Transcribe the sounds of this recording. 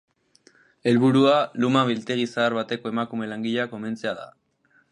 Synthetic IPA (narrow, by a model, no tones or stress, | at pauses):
e̞lβuɾualumaβilt̪e̞ɣ̞isaːɾβat̪e̞ko̞e̞makume̞laŋɡiʎako̞me̞nt͡seaða̰